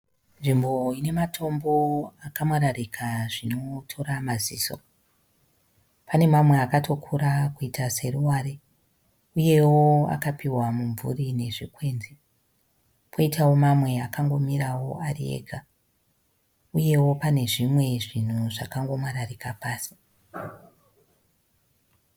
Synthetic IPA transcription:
nʐimbo̞ine̞matʰo̞mbo̞akamwaɾarikʰaʐino̞tʰo̞ɾamaziːso̞̰ | pane̞mamwe̞akatʰo̞kʰuɾakuitʰase̞ruwaɾe | uje̞woa̰kapiwamuɱvṵrine̞ʐikwe̞nze | pʰo̞itawo̞mamwe̞akʰaŋɡo̞miɾawo̞ʔarḭḛɡʱa | uje̞wo̞pane̞ʐimwe̞ʐin̤uʐakaŋɡo̞mwaɾarikapaːsi̥

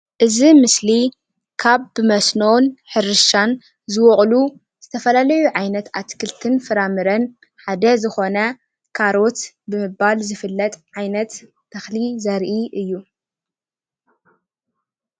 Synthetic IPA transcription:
ʔɨzimɨsli | kʰaβːɨmɐsnonħɨɾɨʃan | zɨwɔχʼlu | z̥ɨt̪ʰɐfɐlalɐjuʕajnɐt̪at̪kʰɨlt̪ʰɨnfɨɾamɨɾɐn | ħad̪ɐzɨxo̞nɐ | kʰaɾo̞t̪ | bɨmɨbalzɨfɨlːɐt̪ʼʕajnɐt̪ːʰ | ɐxlizɐɾʔiʔɨjːu

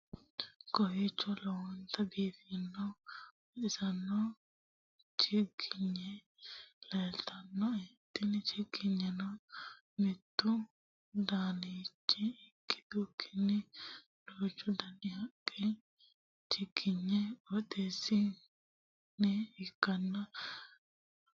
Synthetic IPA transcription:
kɔhit͡ʃːɔlɔwɔnt̪ʰɐbiːfɪnːɔ | ɪsɐnːɔ | t͡ʃɪɡɪɲːɛ | leːlt̪ʰɐnːɔɛt̪ːɪnt͡ʃɪɡɪɲːɛnɔ | mɪt̪ːʊ | d̪aːnit͡ʃːɪɪkːɪ̥d̪ukʰːɪ̥nːɪ | loːt͡ʃːʊd̪ɐnɪhɐkʼːɛ | t͡ʃɪɡ̥ɪɲːɛwɔt̪eːsːɪ | nɛɪkːɐnːɐ

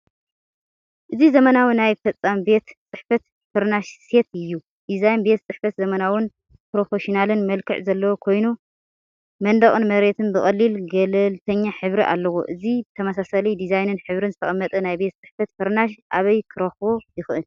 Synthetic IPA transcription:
ʔɨzizɐmɐnawɨnajfɐt͡sʼːambe̞t̪t͡sʼɨħfɐt̪ | fɨɾnaʃse̞t̪ɨjːu | d̪̥izajnbe̞t̪̚t͡sʼɨħfɐt̪zɐmɐnawɨn | pɾo̞feʃinalɨnmɐlkʰɨ̰ʕzɐlːɐwokʰo̞jnu | mɐnd̪ɐχʼɨnmɐɾe̞t̪ʰɨnbɨxʼɐlːilɡɐlɐlt̪ʰɐɲːaħɨβɾiʔa̰lːɐwo̰ʔɨzibɨt̪ʰɐmɐsasɐlid̪izajnɨnħɨβɾɨnzɨt̪ʰɐχʼɐmːɐt̪ʼɐnajbe̞t̪̚t͡sʼɨħfɐt̪fɨɾnaʃʔaβɐjkʰɨɾɐxbojɪxɨʔɨl

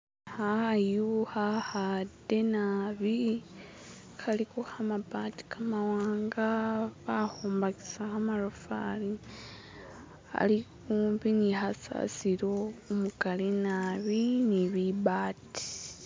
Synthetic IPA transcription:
hajuhahade̞naβi | kʰalikohamabati̥kʰamawaːŋɡaβahoːmbaki̥sahamaɾofa̰li | a̰likuːmbiniɦasa̰siɾoumukalinaβiniβibatʰi̥

